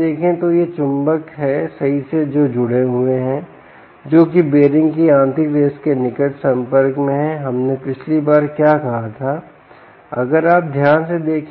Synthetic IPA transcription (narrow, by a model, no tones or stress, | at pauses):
eːkʰẽt̪ojet͡ʃʊ̃mbəkɦɛsɐɦised͡ʒoːd͡ʒʊɽeɦʊeɦɛ̃ː | d͡ʒoːkibeːɾɪ̃ŋɡkiãːnt̪ʰɪkɾeːskenɪkəʈsɐ̃mpəɾkmẽɦɛɦɐmnepɪt͡ʃʰlibaːɾkjaːkɐɦat̪ʰaː | ɐ̰ɡəɾaːp̚d̪ʱjaːnsed̪eːkʰ